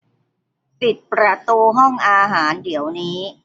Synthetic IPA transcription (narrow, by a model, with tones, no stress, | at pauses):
pi˨˩t̪̚pɾa˧t̪uː˧ɦɔ˥˩ŋʔaː˧ɦaː˩˦ndi˩˦əwniː˦˥